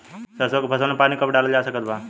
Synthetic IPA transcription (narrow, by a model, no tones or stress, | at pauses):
səɾsokpʰəsənẽpaːnikəbɖaləld͡ʒaːsəkət̪̚ba